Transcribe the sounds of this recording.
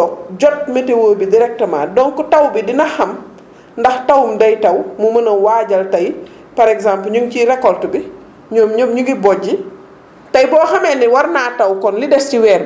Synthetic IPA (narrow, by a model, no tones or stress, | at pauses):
ɔd͡ʒɔt̚mɐtɛwoːbidiɾɛk̚tɐma̰ːdɔŋkɔtɐwbidinɐxɐm | ndɐxtɐwumdɐjtɐwmumɐnɐwaːɟɐltɐj | pɐɾɛkzampl̩ɲuŋt͡ʃiɾɛkːɔltubi | ɲɔːmɲomɲuɡibɔɟi | tɐjbɔːxɐmɛːniwɐrnaːtɐwkɔnlidɛstiwɛːr